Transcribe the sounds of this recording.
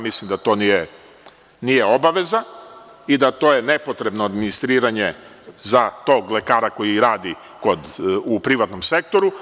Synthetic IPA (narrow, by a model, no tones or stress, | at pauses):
mislˠimd̪at̪o̞ːnije | nijeo̞baʋe̞za | id̪at̪o̞je̞ne̞po̞t̪ɾe̞bnoad̪minist̪ɾiːɾaɲe | zat̪o̞ːɡle̞kaːɾako̞jiɾaːd̪i | ko̞d̪upɾiʋat̪no̞mse̞k̚t̪o̞ɾu